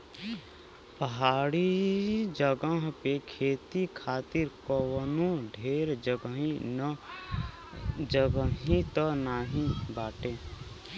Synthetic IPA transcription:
pəɦaːɽid͡ʒəɡəɦpekʰeːt̪ikʰaːt̪ɪɾkəwənũɖʱeːɾd͡ʒəɡɦin | d͡ʒəɡəɦĩt̪ɔnaɦĩbaːʈẽ

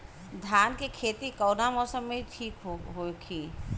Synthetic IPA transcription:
d̪ʱjaːnkekʰeːt̪ikəːnamɔːsəmːẽʈʰiːkɦoɦokʰi

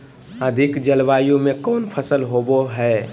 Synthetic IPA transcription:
ɐd̪ʱɪkd͡ʒɐlʋaːjõmẽkɔːnpʰəsəlɦoːboɦɛː

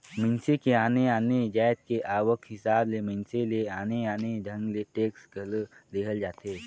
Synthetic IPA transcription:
mə̃nsekeaːneaːned͡ʒaːjt̪̚keʔaːʋəkɦɪsaːblemə̃nseleaːneaːned͡ʒʱə̃ŋɡleʈeːksɡʱɐlleɦəld͡ʒaːt̪eː

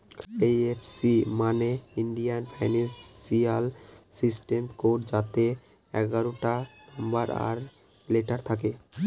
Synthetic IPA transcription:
ejefʰsimaneiɳɖijanpʰajnesialsisʈemkoʈd͡ʑat̪e | ɛɡaɾoʈanambaɾa̰ɾ | leʈaɾt̪ʰake

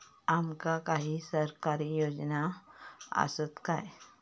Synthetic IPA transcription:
amkakaɦisəɾkaːɾijoːd͡ʒna | a̰sət̪kaɛ

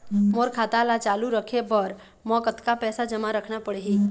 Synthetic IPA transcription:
moːɾkʰaːt̪alat͡ʃaːluɾəkʰebəɾ | mɔːkət̪kapɛːsad͡ʒəmaɾəkʰnapəɽeɦiː

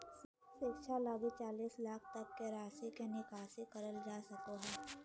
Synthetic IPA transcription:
s | sɪkʃʰalaːɡit͡ʃaːliːslaːkʰt̪ɐk̚keɾaːsikenɪkaːsekɐɾəld͡ʒaːsɐkoɦɛː

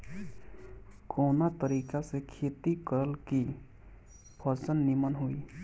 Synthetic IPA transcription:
kɔwnat̪ʌɾikasekʰet̪ikʌɾəlki | bʰʱʌɾt͡sʌnːimʌnɦoj

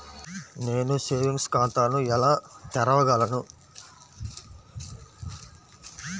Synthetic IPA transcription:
ne̞ːnuseːʋiŋɡskaːnt̪aːnuɛlaːt̪ɛɾɐʋɐɡɐlɐnu

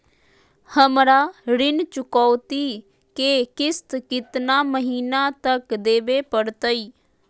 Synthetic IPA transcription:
həmɾaːɾɪnt͡ʃʊkɔːt̪iː | keːkɪst̪kɪt̪naːməɦiːnaːt̪əkd̪eːʋeːpəɽt̪əiː

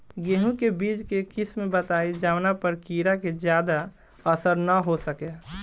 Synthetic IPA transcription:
ɡeːɦũkebiːd͡ʒkekɪsmẽbət̪aːid͡ʒaːʋnapəɾkiːɾaked͡ʒjaːd̪a | əsəɾnaɦosəke

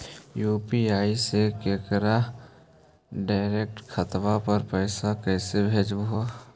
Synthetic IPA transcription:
juːpiaːisekeːkɾa | ɖaːɪɾeːk̚ʈkʰət̪ʋapəɾpɛːsakɛːsebʱeːd͡ʒbua

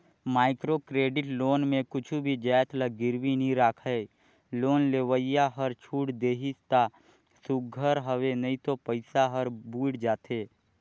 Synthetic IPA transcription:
maːɪkɾokɾeːɖɪʈloːnmẽkʊt͡ʃʰubʱid͡ʒɛːt̪ləɡɪɾwinəĩɾaːkʰəe | loːnleːwəɪjaɦəɾt͡ʃʰuːʈd̪eːɦɪst̪a | suɡʱəɾɦəwenəɦĩt̪opəɪsaɦəɾbuːɽd͡ʒaːt̪eː

